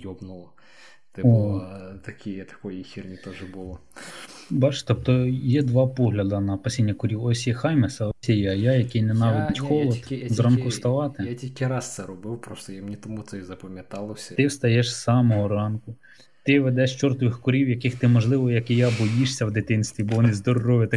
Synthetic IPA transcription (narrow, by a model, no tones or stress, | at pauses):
jɔbnʊlˠɐ | t̪ɪɔt̪ɐkʲʰɪjɛt̪ɐ̥kɔjixʲirnʲit̪ɔʒɛbʊlˠɔ | bɑt͡ʃt̪ɔp̚t̪ɔjɛd̪ʋɑpɔɦlʲɐd̪ɐnɐpɐsʲinʲːɐkʊɾʲiwɔsʲjɛxɑjmesɐɔsʲɛjɛɐjɑjɐkɪjnɛnɑʋʲid̪ʲt̪ʲxɔlˠɔt̪zɑnkʊst̪ɐʋɑt̪ɪjatʲilʲkʲɪɾɑst̪sɛɾɔbɪwpɾɔst̪ɔjamnʲit̪ɔmut̪sɛizɐpɐmʲjɐt̪ɑlˠɔsʲt̪ɪwst̪ɐjɛʃssɑmɔɦɔɾɑnkʊ | t̪ɪʋed̪ɛʃt͡ʃɔrt̪ʋɪxkʊɾʲiwjɐkɪxt̪ɪmɔʒlˠɪʋɔjɐkɪjabɔjiʃsʲɐwd̪ɪt̪ɪnst̪ʋʲibɔʋɔnɪzd̪ɔrːɔʋɪt̪ɪ